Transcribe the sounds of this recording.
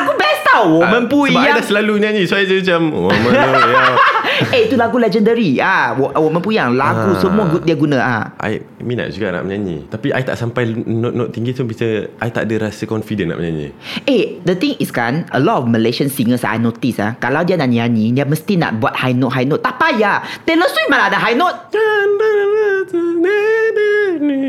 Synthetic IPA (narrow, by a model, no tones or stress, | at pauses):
aɡubɛst̪awwɔmə̃npuialasəlaluəɲãɲĩsoajd͡ʒəmat͡ʃamwɔmə | eit̪ulaɡulɛd͡ʒəndəɾiawwomə̃npujaŋlaɡusəmũaɡudiaɡunãʔaʔa̰j | mĩna̰ʔd͡ʒuɡa̰ʔna̰ʔməɲaɲḭt̪apiʔa̰jt̪a̰ʔsampajnoʔnoʔt̪ːiŋɡit̪ubit͡ʃəajt̪a̰ʔadəɾasəkɔnfidəna̰ʔməɲaɲḭedət̪ĩŋiskanəlɔt̪̚ɔfməleʃənsiŋəsa̰jnot̪isa̰kalawdianaʔnianĩdiaməst̪ina̰ʔbuat̪̚hajnɔt̪̚ɦajnot̪ːapajat̪ɛləswimalaadaɦajnot̪̚